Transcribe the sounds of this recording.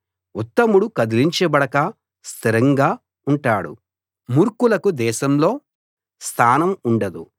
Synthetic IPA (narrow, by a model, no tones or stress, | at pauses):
ut̪ːɐmuɽukɐd̪iliɲt͡ʃebɐɽɐkɐ | st̪ʰiɾɐŋɡaː | uɳʈaːɽṵ | muːɾkulɐkud̪ɛːʃɐmlo̞ː | st̪ʰaːnɐmuɳɖɐd̪u